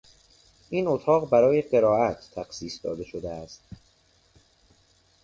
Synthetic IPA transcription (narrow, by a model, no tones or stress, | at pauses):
ʔiːnot̪ʰɒːɣbæɾɒːjeɢe̞ɾɒːʔæt̪ʰːæxsiːsd̪ɒ̰ːd̪e̞ʃod̪eæst̪